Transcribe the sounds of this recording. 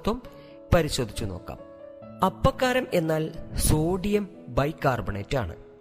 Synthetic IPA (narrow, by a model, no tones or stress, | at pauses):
t̪ːʋɐm | pɐɾiɕo̞ːd̪ʱit͡ɕːuno̞̰ːkːa̰ːm | ɐpːɐkːaːɾɐme̞nːaːlsoːɖijɐm | bɐjkːaːrbɐɳeːtːa̰ːɳɨ̰